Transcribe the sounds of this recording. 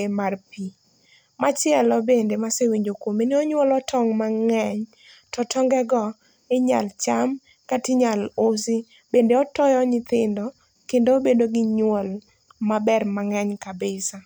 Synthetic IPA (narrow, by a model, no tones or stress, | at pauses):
marpi | mat͡ʃɪɛlɔbendemasewiɲd͡ʒokwomeniɔɲwɔlɔtʰɔŋmaŋɛɲ | tɔtʰɔŋɡɛɡɔ | ɪɲa̰lt͡ʃam | katɪɲalosi | bendeɔtɔjɔɲɪt̪ɪndɔ | kendoːbedoɡɪɲwɔl | mabɛrmaŋɛɲkabɪsa